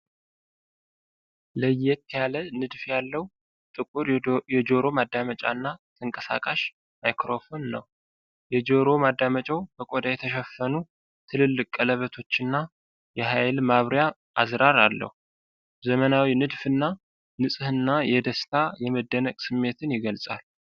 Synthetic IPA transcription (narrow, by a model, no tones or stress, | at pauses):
ləjːɛt̪jalənɨd̪fjalːəhu | t̪ʼɨkʼuɾjɛd͡ʒoɾo̞mad̪ːamət͡ʃʼa̰nːat̪ʰɨŋkʼəsa̰kʼaʃ | majkɾo̞fo̞nːə̰w | jɛd͡ʒoɾo̞mad̪ːamət͡ʃʼəwbəkʼod̪ajɛt̪ʰəʃɛfːənu | t̪ʰɨlɨlːɨkʼələβət̪ʰo̞t͡ʃːɨnːa | jɛɦajlmaβɾja | ʔazɾaɾalːə̰hu | zəmənawinɨd̪fɨnːa | nɨsʼɨhɨnːajɛd̪əst̪ʰajɛməd̪ːənəkʼsɨmːe̞t̪ʰɨnjɪɡəlsʼa̰l